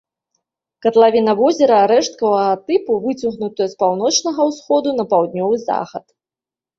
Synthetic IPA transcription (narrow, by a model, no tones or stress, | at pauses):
kɐt̪lˠavʲinɐvɔzʲɛɾɐaɾɛʂt̪̚kɐvɐɣɐt̪ɨpuvɨt͡sʲuɣnut̪ɐjɐspawn̪ɔt͡ʂnɐɣɐwsxɔd̪un̪ɐpawd̪nʲɔvɨza̰xɐt̪